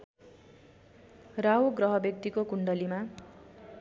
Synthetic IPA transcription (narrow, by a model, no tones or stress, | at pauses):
rawɡrʌɦʌbek̚t̪ikokuɳɖʌlima